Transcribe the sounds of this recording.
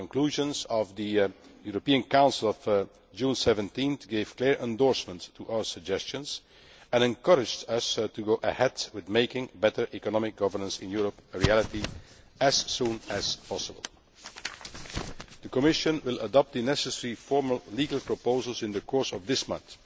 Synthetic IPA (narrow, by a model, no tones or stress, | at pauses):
ɔ̃nkluːʒə̃nzɔvðəjuɹəpiə̃nkãʊ̃nsəl̩ˠɔv | d͡ʒũːnsɛvə̃ntĩnθɡeɪv̥klɪːɹʔɛ̃ndɔɹsmə̃ntʰːuʔaʊə˞səɡ̚d͡ʒɛst͡ʃə̃nz | ɛ̃nɛ̃nkʌɹɪd͡ʒdʌstuɡoʊʔə̰hɛdwɪðmeɪkɪ̃ŋbɛtə˞ʔikɔnɑmɪk̚ɡ̥ʌvə˞nə̃nsɪ̰̃njuːɹəpəɹiælˠɪti | ɨz̥ːũːnæz̥pʰɑsəbə̰l̩ˠ | d̪əkɔmɪʃə̃nwɪlˠʔədɔp̚t̚d̪ənɛsəsɛɹifɔɹməlˠliːɡəlˠpɹɔpoʊzəlˠzɪ̃ndəkʰɔɹsɔvðɪsmʌ̃nθ